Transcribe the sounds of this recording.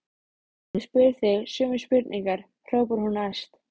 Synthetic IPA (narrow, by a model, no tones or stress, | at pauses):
spɪɾθɪɣsjʏːmʏspɪɾt̪niŋkaɾ̥ | r̥œwpʏɾ̥hunaast̪